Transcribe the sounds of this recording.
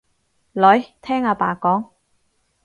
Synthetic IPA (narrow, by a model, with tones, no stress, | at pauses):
lɵ˨˥jt̪ʰɛː˥ŋaː˧paː˨˩kɔː˨˥ŋ